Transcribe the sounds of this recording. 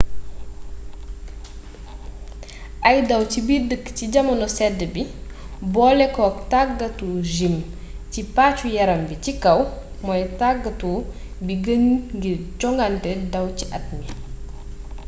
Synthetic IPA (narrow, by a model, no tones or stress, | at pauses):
ʔɐjdɐwcibidəkːciɟɐmɐnɔsɛdːəbibɔːlɛkɔːktaɡːatuʒim | cipaːt͡ʃujɐɾɐmbicikɐw | mɔjtaɡːatu | biɡəɲɡit͡ʃɔŋɡantɛdɐwciʔɐt̚ni